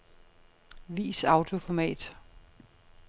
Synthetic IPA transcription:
ʋḭːsɑ̈ʊt͡sʰo̝fɒmɛ̰ːd̥

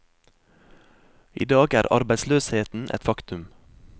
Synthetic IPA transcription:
ḭːd̪ɑːɡæ̰ːɾɑ̰ɾbæɪsløːsheːt̪n̩ʔɛ̰t̪fɑkt̪ʉm

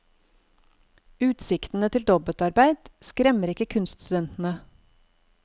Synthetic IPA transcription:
ʉːt̪sɪkt̪n̩ət̪ʰɪld̪ɔbət̪ɑɾbæɪd̪̥skɾɛməɾɪkəkʰʉnst̪st̪ʉd̪ɛnt̪n̩ə

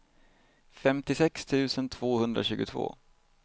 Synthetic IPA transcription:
fɛmt̪ɪsɛkst̪ʰʉ̟ːsənt̪ʰv̥oːhɵnd̪ɾa̰ɕʉ̟ːɡʊt̪ʰv̥o̰ː

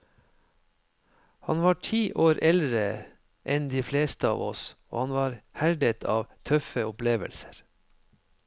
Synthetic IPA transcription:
hɑnʋɑːʈʰiːʔoːɾʔɛld̪ɾə | ʔɛnd̪iːfleːst̪əɑ̰ːʋɔso̰ːhɑnʋɑːɾhæɖət̪ʰɑ̰ːʋt̪ʰœfəʊpleːʋə̰lsə̥ɾ

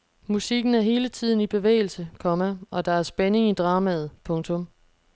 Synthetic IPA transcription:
musiɡ̥n̩æɐɦe̝ːlət͡sʰið̞̰ˠn̩ib̥e̝ʋḛːɪl̩səkʰɒ̽mæɒ̽d̥ɑ̈æɐsb̥ene̝ŋid̥ʁɑ̈ːmæð̩ˠpʰɔ̽ŋt͡sʰɔ̽m

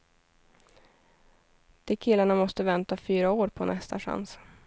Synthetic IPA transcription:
d̪̥ɛkʰɪlːaɳamɔst̪əvɛnt̪afyːɾaoːɾpʰɔnʔɛst̪ʰa̰ɧa̰ns

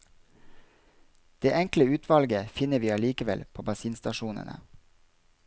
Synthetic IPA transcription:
d̪̥eːʔɛŋkləʉːt̪ʰʋɑlɡəfɪnəʋiːɑːliːkəʋɛlpʰoːbɑsiːnst̪ɑʃuːnə̰nə̰

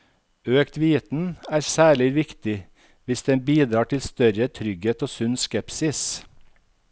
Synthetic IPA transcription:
øːkt̪ʋiːt̪n̩æːɾsæːɭɪʋɪkt̪ɪ | ʋɪsd̪ɛnbiːd̪ɾɑːʈʰɪlst̪œɾət̪ʰɾʏɡheːt̪oːsʉnskɛpsɪs

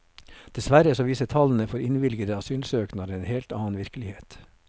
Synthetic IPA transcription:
d̪̥ɛsʋæɾəsoːʋiːsət̪ʰɑln̩əfɔɾɪnʋɪlɡəd̪əɑsyːlsøːknɑɾəeːnheːlt̪ɑːnʋɪɾkəlɪheːt̪

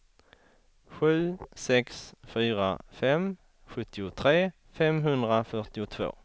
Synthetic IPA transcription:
ɧʉ̟ːsɛksfyːɾa̰fɛm | ɧɵt̪ʰːɪʊt̪ʰɾeː | fɛmɦɵnd̪ɾafœʈɪʊt̪ʰvo̰ː

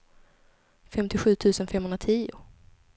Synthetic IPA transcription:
fɛmt̪ɪɧʉ̟ːt̪ʰʉ̟ːsənfɛmhɵnɾat̪ʰiːʊ̰

